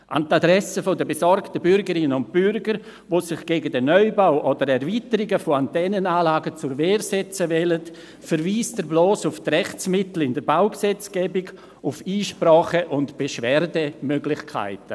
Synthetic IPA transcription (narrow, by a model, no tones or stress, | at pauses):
ʔa̰ntadɾɛsəfodəbesɔɾktəbʏɾɡəɾɪnənʊnt̚b̥ʏɾɡəɾ | voːsɪχɡ̥eːɡədɛnːœʏbaʊʔodəɾɛɾviːtəɾɪɡəfoantɛnənaːlaːɡət͡sʊɾveːɾsɛt͡səvɛlət | fəɾviːstdəɾbloːsʊftrɛχt͡smɪtl̩ɪndəɾbaʊksɛt͡sɡ̥ɛːbɪɡ | ʊfiːʃpɾaːχəʔʊntb̥eʃvɛːɾdəmøɡlɪχkʰa̰ɪtə